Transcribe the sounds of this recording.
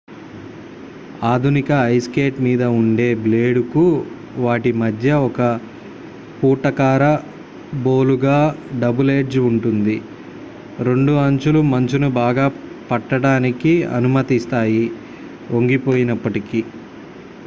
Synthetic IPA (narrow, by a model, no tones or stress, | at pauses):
aːd̪ʱunikɐːjske̞ːʈmiːd̪ɐuɳɖe̞ːble̞ːɖuku | ʋaːʈimɐd̪ʱjɐɔkɐ | puːɾt̪ɐkaːɾɐ | bo̞ːluɡaːɖɐbuleːɖd͡ʒuɳʈund̪i | ɾe̞ɳɖuɐɲt͡ʃulumɐɲt͡ʃunubaːɡaː | pɐʈːɐɽaːnikiɐ̰numɐt̪ist̪aːji | ʔoŋɡipoːjinɐpːɐʈiki